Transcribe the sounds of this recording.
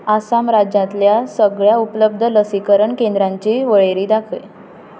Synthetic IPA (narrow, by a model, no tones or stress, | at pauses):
asamɾad͡ʑjãt̪ljasəɡɭjaupləb̚d̪ʱələsikəɾəɳkẽnd̪ɾãɲt͡ɕiʋəɭeɾiːd̪akʰə̰j